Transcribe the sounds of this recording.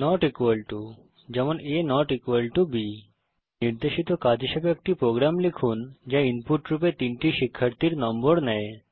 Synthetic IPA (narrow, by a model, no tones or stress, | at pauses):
nɔʈikwəlʈu | d͡ʑɛmonenɔʈikʋəlʈubi | niɾd̪eʃit̪okad̪ʱiʃebeek̚ʈipɾoɡɾamlikʰund͡ʒainpuʈɾupet̪iɳʈiʃikʰːəɾt̪iɾnɔmboɾnɛe